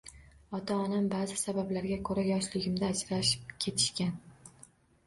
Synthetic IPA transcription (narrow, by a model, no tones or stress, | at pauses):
ɒt̪ʰaɒnambaːzɪsabablaɾɡʲakʰɵɾajɒʃlɪɡʲɪmd̪aːd͡ʒɾaʃɪ̥p̚kʲʰe̞t̪ʰɪ̥ʃkʲan